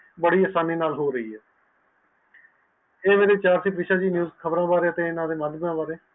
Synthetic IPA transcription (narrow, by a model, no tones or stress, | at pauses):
bəɽiːaːsaːniːnaːlɦoːɾəiːɦɛː | eːmeːɾeːt͡ʃaːɾsʰiːpɾɪːʃaːd͡ʒiːnjuːzkʰəbɾãːbaːɾeːət̪ẽːɪnãːd̪eːməd̪bãːbaːɾeː